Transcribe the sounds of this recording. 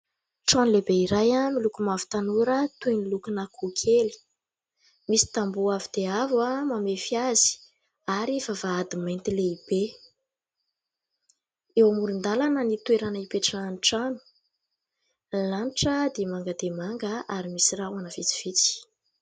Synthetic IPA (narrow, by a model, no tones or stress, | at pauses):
ʈ͡ʂonlebeiɾajamilukumavi̥t̪anuɾət̪enilukunakukʰeli̥ | misi̥t̪ambuavid̪̥eavwamamefiazi̥ | aɾivavaad̪imajnt̪ileib̥e | ewamuɾind̪alanənit̪weɾanəipeʈ͡ʂananiʈ͡ʂanu̥ | lanʈ͡ʂəd̪emaŋɡəd̪emaŋɡəaɾimisirawanəv̥it͡si̥v̥it͡si̥